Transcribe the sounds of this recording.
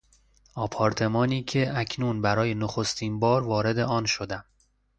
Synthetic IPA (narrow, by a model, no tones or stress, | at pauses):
ɒːpʰɒːɾt̪ʰe̞mɒːniːcʰe̞ʔæcʰnunbæɾɒːjenoxo̞st̪ʰiːnbɒːɾvɒːɾe̞d̪eɒːnʃod̪æm